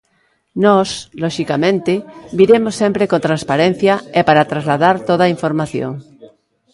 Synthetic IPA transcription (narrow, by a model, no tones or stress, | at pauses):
nɔsloʃikamẽnt̪ebiɾemosːempɾekont̪ɾãnspaɾẽn̟θjaepaɾat̪ɾazlaðaɾt̪oð̞aiɱfoɾmaθjo̰ŋ